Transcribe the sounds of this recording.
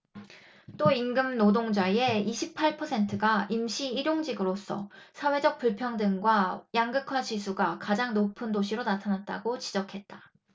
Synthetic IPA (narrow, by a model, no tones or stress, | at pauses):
t͈oinɡɯmnodoŋd͡ʑaie̞iɕʰipʰaɭpʰʌsʰe̞ntʰɯɡaimɕʰiːɾjoŋd͡ʑiɡɯɾos͈ʰʌ̰sʰawe̞d͡ʑʌk̚p͈uɭpʰjʌŋdɯŋɡwajaŋɡɯkʰwaɕisʰuɡakad͡ʑaŋnopʰɯndoɕ̬ʰiɾonatʰanat̚t͈a̰ɡot͡ɕid͡ʑʌkʰe̞t̚t͈ḁ